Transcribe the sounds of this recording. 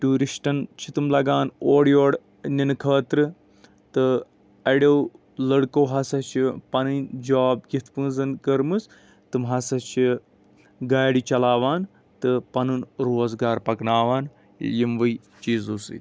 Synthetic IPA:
ʈuːɾiʃʈɐnt͡ʃʰit̪ɨmlɐɡaːnoːɽjoːɽ | ninkʰɐɐt̪ɾɨ | t̪ɨ | ɐɽʲew | lɐɽkowɦɐsɐt͡ʃʰipɐnɨnʲd͡ʒaːbɡʲit̪ʰpɨ̃ːnzɐnkɐɾmɨs | t̪ɨmɦɐsɐt͡ʃʰi | ɡaːɽit͡ʃɐlaːʋaːn | t̪ɨpɐnɨnɾoːzɡaːɾpɐknaːʋaːn | jimʋɐj | t͡ʃiːzoːsɨ̰t̪ʲ

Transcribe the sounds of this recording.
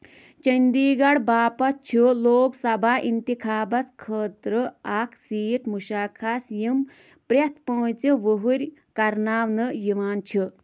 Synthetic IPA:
t͡ʃɐnd̪iːɡɐɽbaːpɐt̪̚t͡ʃʰuloːksɐbʱaʔint̪ikʰaːbɐt͡skʰəːt̪ɾəaksiːʈmuʃaːkʰasjim | pɾʲɐt̪ʰpə̃ːt͡siʋəɦuɾʲkɐɾnaːʋnɨjiʋaːnt͡ʃʰi

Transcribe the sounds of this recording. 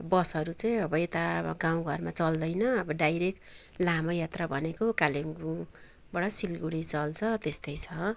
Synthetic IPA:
bʌsʌɾut͡saj̃ʌbʌet̪aɡaw̃ɡʱʌrmat͡sʌld̪ʌjnʌʌbʌɖajɾek̚ | lamʌjat̪rabʱʌnekokalimɡu | bʌɽʌsilɡuɽit͡sʌlt͡sʰʌt̪est̪ʌjt͡sʰʌ

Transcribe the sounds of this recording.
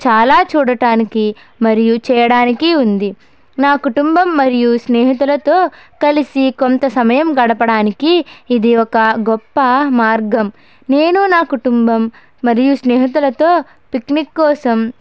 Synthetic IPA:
t͡ʃaːlaːt͡ʃuːɽɐʈaːniki | mɐɾijut͡ʃɛːjɐɽaːnikiund̪i | naːkuʈumbɐmːɐɾijusneːɦit̪̬ulɐt̪o̞ːkɐlisikont̪ɐsɐmɐjɐmɡɐɽɐpɐɽaːnikiːd̪iɔkɐɡɔpːɐmaːɾɡɐm | neːnunaːkuʈumbɐmː | ɐɾijusneːɦɐt̪̬ulɐt̪o̞ː | piknikːɔːsɐm

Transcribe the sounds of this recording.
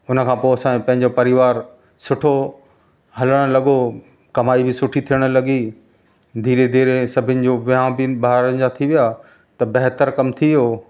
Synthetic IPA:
ʊnə̆kʰãːpoːɐsãːpɐ̃ɦɪ̃ɲd͡ʑopɐɾɪʋaːɾ | sʊʈʰo | ɦɐləɽ̃̆lɐɠo | kɐmaːibɪsʊʈʰit̪ʰijəɽ̃̆lɐɠi | d̪ʱiːɾed̪ʱiːɾesɐbʱɪnɪ̆d͡ʑoːʋɪãbɪbaːɦɾənɪd͡ʑat̪ʰiʋijaː | t̪ɐbɐɦt̪əɾkɐmt̪ʰiijoː

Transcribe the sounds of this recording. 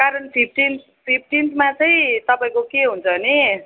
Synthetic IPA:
kaɾʌnpʰip̚ʰʈins | pʰip̚ʰʈinsmat͡sʌĩt̪ʌpaĩkokeɦunt͡sʰʌni

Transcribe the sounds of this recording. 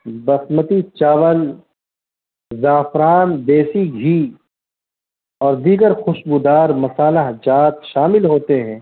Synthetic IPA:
bɐsmət̪it͡ʃaːʋəl | zaːfɾaːnd̪eːsiɡʱiː | ɔːɾd̪iːɡəɾxʊʃbud̪aːɾmɐsaːlaɦd͡ʒaːt̪ʃaːmɪlɦoːt̪eɦɛ̃ː

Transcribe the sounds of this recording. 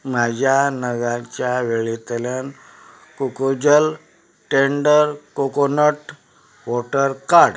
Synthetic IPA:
m̤ad͡ʑʱjanəɡãt͡ɕjaʋeɭit̪ljan | kukod͡ʑəl | ʈeɳɖəɾkokonəʈ | ʋɔʈəɾkaɽ

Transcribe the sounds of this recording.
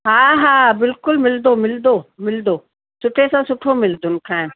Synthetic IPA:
ɦaːɦaːbɪlkʊlmɪld̪oːmɪld̪oːmɪld̪oː | sʊʈʰesãːsʊʈʰomɪld̪ʱʊnɪkʰãːɪn

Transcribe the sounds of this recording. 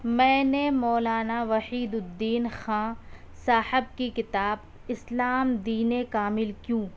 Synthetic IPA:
mɛ̃ːnemɔːlaːnaʋɐhiːd̪ʊd̪ːiːnxãː | saːhɪb̚kikɪt̪aːb | ɪslaːmd̪iːnekaːmɪlkjũː

